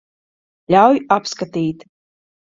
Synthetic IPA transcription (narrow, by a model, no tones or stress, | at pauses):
lʲawjapskat̪iːt̪